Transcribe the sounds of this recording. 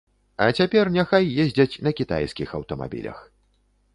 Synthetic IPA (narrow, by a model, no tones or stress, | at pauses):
ɐt͡sʲapʲɛrnʲaxajːɛzʲd͡zʲɐt͡sʲnɐkʲit̪a̰jskʲixɐwt̪ɐma̰bʲḭlʲɐ̰x